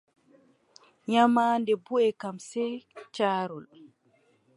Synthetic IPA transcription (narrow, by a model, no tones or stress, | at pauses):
ɲamaːndɛbuɛkamsɛt͡ʃaːɾul